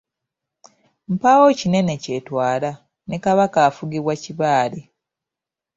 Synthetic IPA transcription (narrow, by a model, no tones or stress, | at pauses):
m̩pawocine̞ne̞cetwaːla | nekaβakaːfuɡiβwaciβaːle